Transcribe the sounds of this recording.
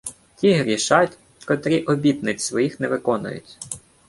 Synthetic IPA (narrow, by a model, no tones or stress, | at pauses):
tʲiɦɾʲiʃɑtʲ | kɔt̪ɾʲiʔɔbʲit̪nɪt͡sʲsʋɔjixnɛʋɪkɔnʊ̰jʊ̰tʲ